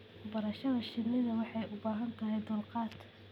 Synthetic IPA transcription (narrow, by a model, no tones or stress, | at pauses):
bɐɾɐʃɐðɐʃɪd̪nɪðɐwɑħɑjʊbaːɦɐnt̪ʰɐɦɛjd̪ʊlqɑːt̪ʰ